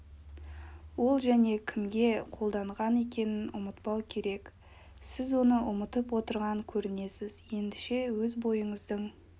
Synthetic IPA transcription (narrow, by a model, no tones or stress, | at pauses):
wo̞lˠʒæne̞kʲʰɪmɡʲe̞qʰo̞lˠd̪ɑɴʁɑne̞k̬ʲe̞nɪnʊmət̪pɑwkʲʰe̞ɾe̞k | sɪzwo̞nəʔʊmət̪əpwo̞t̪əɾʁɑŋkʲʰɵɾɪne̞sɪz̥je̞nd̪ɪʃe̞wɵzbo̞jəɴəzd̪əɴ